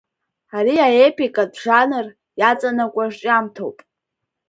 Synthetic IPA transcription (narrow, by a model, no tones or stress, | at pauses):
aɾiaepikʼadʐanɨr | jat͡sʼanakʷʼaʐʈ͡ʂʼamtʰo̰wpʼ